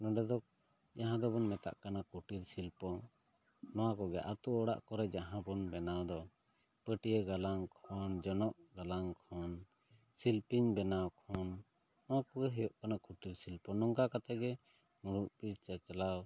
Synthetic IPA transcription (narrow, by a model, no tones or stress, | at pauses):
nɔ̃ɖɛd̪ɔk̚ | d͡ʒaɦãd̪ɔbɔnmɛt̪a̰ʔkanakuʈiɾsilpɔ | nɔwakɔɡɛʔat̪uɔɽa̰ʔkɔɾɛd͡ʒaɦãbɔnbɛnawd̪ɔ | pəʈijɛɡalaŋkʰɔnd͡ʒɔnɔʔɡalaŋkʰɔn | silpiɲbɛnawkʰɔnː | ɔwakɔɡɛɦɛjɔʔkanakuʈiɾsilpɔnɔŋkakat̪ɛɡɛ | muɽuʔ̚piɾt͡ʃat͡ʃalaw